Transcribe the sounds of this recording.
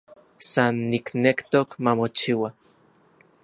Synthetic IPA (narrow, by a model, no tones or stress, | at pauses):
sanːiknekt̪okmamot͡ʃiwa